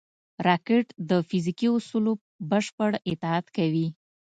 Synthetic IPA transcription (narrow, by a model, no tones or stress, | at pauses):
ɾɑkɪʈd̪əfizikiʊsulo | bəʃpəɽɪt̪ɪat̪kawi